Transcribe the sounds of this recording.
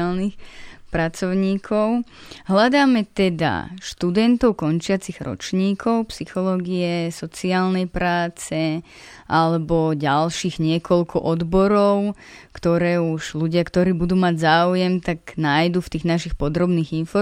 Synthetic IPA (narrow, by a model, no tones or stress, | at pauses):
lnixpɾat͡sɔʊɲiːkʰɔʊ | ɦʎad̪aːmɛt̪ɛd̪a̰ʃt̪ud̪ɛnt̪ɔʊkɔnt͡ʃɪat͡siɣɾɔ̰t͡ʃɲiːkʰɔʊpsixɔlɔːɡiɛsɔt͡siaːlnɛjpɾaːt͡sɛ | ʔalɛbɔɟalʃiːɣɲɪɛkʰɔlkʰɔʔɔd̪bɔɾɔʊkt̪ɔɾɛːuʒʎuɟɪakt̪ɔɾiːbud̪uːmaɟzaːujɛmt̪aɡnajd̪uːft̪iːɣnaʃixpɔd̪ɾɔbniːɣinfɔ